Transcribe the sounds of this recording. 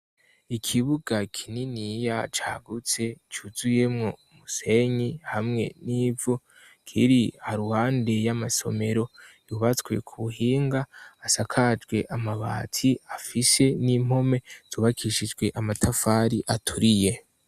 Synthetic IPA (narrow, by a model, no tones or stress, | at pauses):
ikʰiβuɡakʰininijat͡ʃa̰ːɡut͡se̞t͡ʃuzuje̞mŋo̞muse̞ɲihamŋe̞̰niːvu | kʰḭɾihaɾuhaːnde̞jamaso̞̰me̞ɾo̞juβat͡swe̞̰kʰuβuhiːŋɡaːsakʰad͡ʒɡwe̞ʔamaβa̰ːtʰiafise̞nim̥ho̞me̞z̥uːβakʰiʃid͡ʒɡwe̞ʔamatʰafaɾiʔatʰuɾije